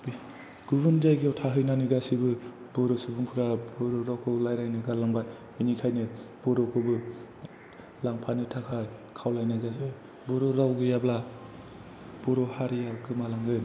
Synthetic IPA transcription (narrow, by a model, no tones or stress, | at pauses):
b | ɡ̥ubɯnd͡ʒajɡiɔwtʰaɦɯjnanɯɡasibɯ | b̥ɔɾɔsɯbuŋpʰɯɾabɔɾɔɾawkʰɯlajɾajnɯɡalaŋbaj | ɯjnikʰajnɯb̥ɔɾɔkʰɯbɯ | laŋpʰanɯtʰakʰaj | kʰawlajnazazɯ | bɔɾɔɾawɡɯjabla | b̥ɔɾɔhaɾijakʰɯmalaŋɡɯn